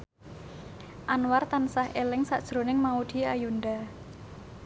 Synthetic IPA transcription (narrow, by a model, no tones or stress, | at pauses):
ʔanwart̪ansahʔelɪŋsa̰ʔd̥ʒ̥ɾo̤nɪŋmaud̪̥i̤ajund̪a